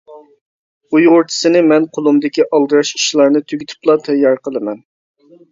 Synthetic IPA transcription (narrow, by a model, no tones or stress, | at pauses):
ujʁʊɾt͡ʃ̪ʰɨ̥sɨnɪmɛnqʰolˠumd̪ɪkʲiʔɑlˠd̪ɨɾɑʃi̥ʃlˠɑɾnɨt̪ʰøɡʲyt̪ʰy̥plˠɑt̪ʰɛjːɑɾqʰəlˠɨmɛn